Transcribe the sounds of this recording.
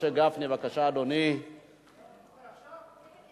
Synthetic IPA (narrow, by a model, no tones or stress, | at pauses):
eɡafnivakaʃaːd̪oni